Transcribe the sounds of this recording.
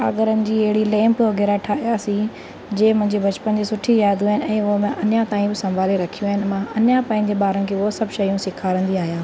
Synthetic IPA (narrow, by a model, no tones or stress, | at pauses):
a̰ːɡəɾənɪ̆d͡ʑiːɐɦɪɽileːmpoɡʱeːɾaʈʰaːiaːsi | d͡ʑeːmʊ̃ɦɪ̃ɲd͡ʑebɐt͡ɕpənd͡ʑeːsʊʈʰijjaːd̪ʱuaːɦɪnɪ̆ɛ̃ːʊɦmɪ̃ʔɐnjãt̪aːĩbɪsɐ̃mbʱaːleɾɐkʰijũaːɦɪnɪ̆mãɐnjãpɐ̃ːɪ̃ɲd͡ʑeɓaːɾənɪ̆kʰeːʊɦosɐbʱʃɐjũsɪkʰaːɾə̃nd̪iaːɦijãː